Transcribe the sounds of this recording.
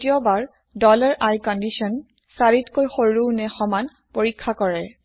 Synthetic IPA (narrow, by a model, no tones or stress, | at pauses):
tiɔbaɹ | dɔlaɹʔajkɔndisɔn | saɹitkojxoɹuwnɛxɔman | poɹikʰːakɔɹɛ